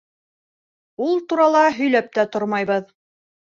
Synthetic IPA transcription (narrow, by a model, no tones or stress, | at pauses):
ulˠt̪uɾɑlˠɑɦɵ̆jlæp̚t̪æt̪oɾmɑjβɤð